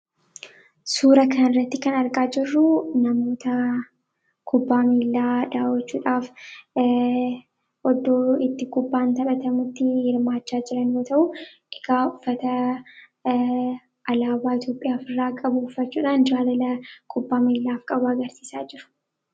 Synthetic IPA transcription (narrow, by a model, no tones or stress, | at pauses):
suːɾɐkʰɐnɪrːɐt̪ːɪkɐnɐɾkʼaːd͡ʒɪrːʊnɐmo̞ːt̪ɐ | kʰʊbːaːmiːlːaːᶑaːwɐt͡ʃːuːᶑaːf | ʔɔd̪oːɪt̪ːɪkʊbːaːnt̪ɐbɐt̪ɐmʊt̪ːɪhɪɾmaːt͡ʃːaːd͡ʒɪɾɐnjoːt̪ɐʔʊ | ɪɡaːʊfːɐt̪ɐ | ʔɐlaːbaːɪt̪jo̞ːpʼːɪjaːfɪrːaːkʼɐbʊːfːɐt͡ʃːuːᶑaːnd͡ʒaːlɐlɐkʰʼʊbːaːmiːlːaːfkʼɐbʊɐɡɐɾsi̥ːsaːd͡ʒɪɾʊ̥